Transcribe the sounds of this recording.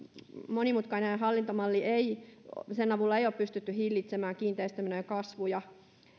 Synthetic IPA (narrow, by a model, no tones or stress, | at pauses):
monimut̪kɑineɑɦɑlːint̪omɑlːieisenɑʋulːɑeioːppyst̪yt̪ːyhilːit̪semæːŋkiːnt̪eist̪æminojkɑsʋujɑ